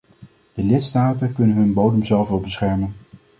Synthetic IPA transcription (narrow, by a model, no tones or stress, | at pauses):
d̥əlɪtstaːtənkɵnənɦɵnbowdəmzɛlˠfʋɛlˠbəsχɛɹmən